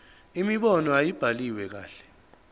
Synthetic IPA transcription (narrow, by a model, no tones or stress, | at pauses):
imiɓɔnɔajib̥ʱaliwɛk̬a̰ːɬɛ̥